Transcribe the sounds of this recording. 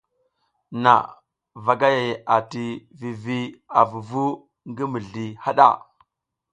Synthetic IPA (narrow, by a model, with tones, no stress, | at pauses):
na̰˨ | va˨ɡa˦ja˨ja˨ti˨vi˨vi˦a˨vu˨vu˦ | ŋɡi˦mi˨ɮi˨ha˦ɗa̰˦˨